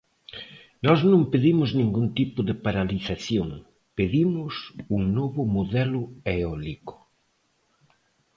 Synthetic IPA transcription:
nɔznõŋpeðimʊznĩŋɡunt̪ipʊðɪpaɾaliθaθjoŋ | peðimʊsuŋnoβʊmoðɛlʊeɔlikʊ̥

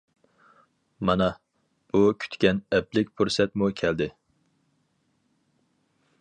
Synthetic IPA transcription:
mɑnɛ | b̥ukʲʰy̥t̪kʲɛnɛplɪk̚ʲpʰuɾsɛt̪mukʲʰɛld̪ɪ

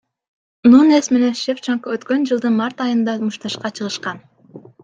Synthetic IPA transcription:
nunesme̞ne̞nʃeft͡ʃoŋkoøt̪kø̞nd͡ʒɯlˠd̪ɯnmɑɾt̪ɑjɯnd̪ɑzmuʃt̪ɑʃqɑt͡ʃʰɯʁɯʃqɑn

